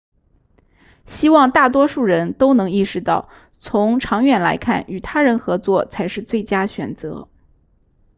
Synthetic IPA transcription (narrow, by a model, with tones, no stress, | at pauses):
ɕi˥wɑ˥˧ŋt̪a˥˩t̪wɔ˥ʂu˥˩ɻə˧˥nt̪o˥ʊnɤ˧˥ŋi˥˩ʂɻ̩˧t̪ɑ˥˩ʊ | t͡sʰʊ˧˥ŋʈ͡ʂʰɑ˧˥ŋɥɛ˥˩nla˧˥ɪkʰa̰˥˩ny˨˩t̪ʰa˥ɻə˧˥nxɤ˧˥t͡swɔ˥˩t͡sʰa˧˥ɪʂɻ̩˥˧t͡swe˥˩ɪt͡ɕja˥ɕɥɛ̰˨˩nt͡sɤ̰˧˥